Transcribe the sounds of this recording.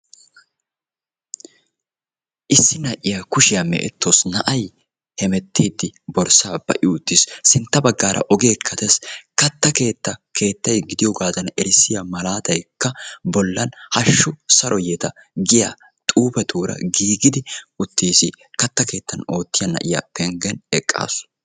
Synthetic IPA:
ʔɪsːɪnɐʔɪjakʊʃɪjɐmɛ̰ʔɛ̰t̪ʰːosnɐʔɐj | hɛmɛt̪ʰːiːd̪ːɪbɔɾsaːb̥ɐ̰ʔɪʊʊt̪ːɪsːɪnt̪ːɐbɐɡːaːɾʔɐ̰ʔɔɡe̞ːkʰːɐt̪ɛskɐt̪ːɐke̞ːt̪ːɐke̞ːt̪ːɐjɡɪd̪ɪjɔɡaːzɐnɛɾɪsːɪjamɐlaːt̪ɐjkːɐbɔlːɐnhɐʃːʊsɐɾʔɔjɛt̪ɐ | ɡɪja̰ | t̪ʼuːbɛt̪ʰuːɾɐ̰ɡiːɡɪd̪ɪʊt̪ʰːiːsɪ | kɐt̪ːɐke̞ːt̪ːɐno̞ːt̪ːɪjɐnɐ̰ʔɪja̰pɛŋɡɛnɛkʼːa̰ːsʊ̥

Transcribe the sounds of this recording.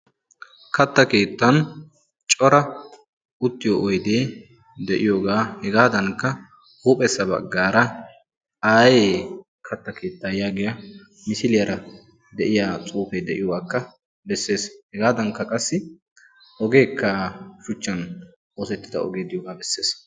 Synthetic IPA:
kɐt̪ːɐke̞ːt̪ːɐn | t͡ʃʼɔɾɐ | ʔʊt̪ːɪjɔʔɔjd̪eː | d̪ɛʔɪjoːɡaːhɛɡaːd̪ɐŋkːɐ | huːpʼɛsːɐbɐ̰ɡːaːɾɐ | aːjeː | kʰɐt̪ːɐke̞ːt̪ːajaːɡɪjɐ | mɪsɪlɪjɐɾɐ | d̪ɛʔɪjaːt͡sʼuːfed̪ɛʔɪjɔwaːkːɐ | bɛsːe̞ːshɛɡaːd̪ɐŋkːɐkʼɐsːɪ | ʔɔɡe̞ːkːaːʃʊt͡ʃːɐn | oːsɛt̪ːɪd̪ɐ̰ɔ̰ɡeːd̪ɪjoːɡaːbɛsːe̞ːs

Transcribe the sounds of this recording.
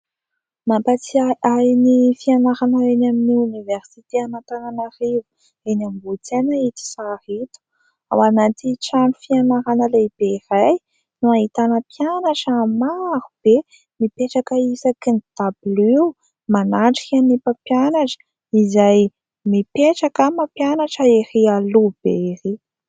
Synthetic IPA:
mapat͡siaajnifianaɾanaenaminiuniveɾsit̪eamant̪ananarivu | enamibut͡senait̪i̥sarit̪u̥ | a̰wanat̪iʈ͡ʂanufianaɾanəlebeiraj | nuaɦit̪anəpjanaʈ͡ʂːmaɾub̥e | mipeʈ͡ʂakəisakinid̪̥abliw | manaʈ͡ʂi̥kanipapjanaʈ͡ʂə̥ | izaj | mipeʈ͡ʂakəmapjanaʈ͡ʂəiɾialub̥eɾi

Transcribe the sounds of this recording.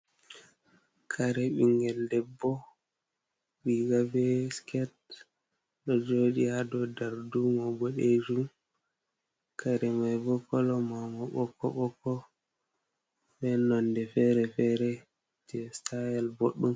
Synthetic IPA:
kʰaɾɛɓiŋɡɛldɛbːɔ | ɓiɡabɛskɛt̚ | ɗɔd͡ʒoɗihadɔdaɾdumɔbɔɗed͡ʒum | kʰaɾɛmajbɔkːɔlɔmamɔɓɔkːɔɓɔkːɔ | fɛnɔndɛfɛɾɛfɛɾɛ | d͡ʒɛstʰajɛlboɗːum

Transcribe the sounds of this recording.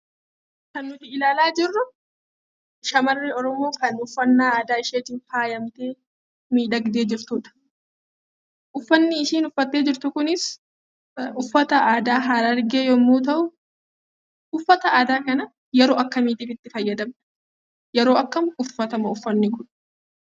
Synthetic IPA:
kɐnːʊt̪ɪɪlaːlaːd͡ʒɪrːʊ | ʃɐmɐrːiɔɾɔmo̞ːkɐnʊfːɐnːaːaːd̪aːɪʃeːt̪ɪnfaːjɐmt̪eː | miːᶑɐɡd̪e̞ːd͡ʒɪɾt̪uːᶑɐ̥ | ʔʊfːɐnːɪɪʃiːnʊfːɐt̪ːe̞ːd͡ʒɪɾt̪ʊkʊnɪs | ʊfːɐt̪ɐʔaːd̪aːɦaːɾɐɾɡe̞ːjɔmːuːt̪ɐʔʊ | ʊfːɐt̪ɐaːd̪aːkɐnɐ | jɛɾo̞ːʔɐkːɐmiːt̪iːfɪt̪ːɪfɐjːɐd̪ɐmnɐ | jɛɾoːɐkːɐmʊfːɐt̪ɐmɐʊfːɐnːɪkʊᶑɐ̥

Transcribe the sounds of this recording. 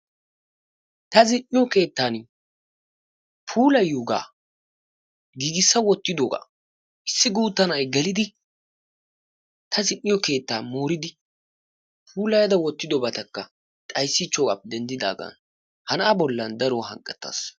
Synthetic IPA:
t̪ɐzɪnːɪjɔke̞ːt̪ːaːn | pʰuːlɐjuːɡa̰ː | ɡiːɡɪsːɐwɔt̪ːɪd̪oːɡa̰ː | ʔɪsːɪɡuːt̪ːɐnɐjɡɛlɪd̪ɪ | t̪ʰɐzɪnːɪjɔke̞ːt̪ːa̰ːmoːɾɪd̪ɪ | pʰuːlɐjɐd̪ɐwɔt̪ːɪd̪ɔbɐt̪ɐkːɐ | t̪ʼɐjsːɪt͡ʃːɔkʼɐp̚ːd̪ɛnd̪ɪd̪a̰ːɡa̰ːn | hɐnʔɐbɔlːɐnd̪ɐɾɔhɐ̰ŋkʼːɛt̪ːa̰ːs

